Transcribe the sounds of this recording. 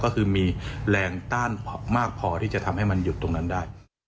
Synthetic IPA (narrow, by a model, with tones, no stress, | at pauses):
kɔː˥˩kʰɯː˧miː˧lɛː˧ŋt̪aː˥˩npʰmaː˥˩k̚pʰɔː˧t̪ʰiː˥˩t͡ɕa˨˩t̪ʰa˧mha˥˩jma˧nju˨˩t̪ːo˧ŋna˦˥ndaː˥˩j